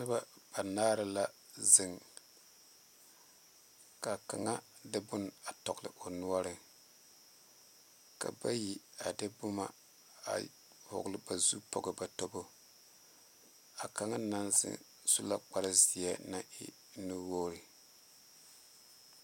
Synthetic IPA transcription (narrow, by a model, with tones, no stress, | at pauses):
nɨ˦ba˦b̥a˨naː˦ɾɨ˦la˦ | zɨ˨ŋ | ka˨ka˨ŋa˦ | dɨ˦bʊ˦na˨tɔ˨ɡlɨ̰˨ʔo˨nu˦a˦ɾɨ˨ | ka̰˨ba˦ji˦a˨dɨ˦bʊ˦ma̰˨ | a̰˨ | hʊ̰˨ɡlɨ˦ba˨zu˦pɔ̰˨ɡɨ˨ba˨tɔ˦bo˦ | a˨ka˨ŋa˦na˦nzɨ̰˦ŋ | su˦la˦k͡pa˦ɾɨ˦zi˨a˦na˦ʔɪ̰˦ | nu˦woː˦ɾɨ˨